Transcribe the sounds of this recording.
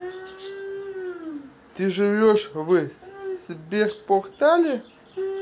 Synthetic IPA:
t̪ɨʐɨvʲoʂvɨsbʲexpoxt̪alʲɪ

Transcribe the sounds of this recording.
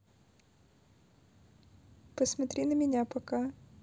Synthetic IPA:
pəsmɐt̪ɾʲinəmʲɪnʲapɐka

